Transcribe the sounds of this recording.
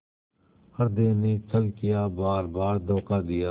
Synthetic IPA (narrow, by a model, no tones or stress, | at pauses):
hɐɾd̪enet͡ʃʰəlkɪjaːbaːɾbaːɾd̪ɔːkad̪ɪjaː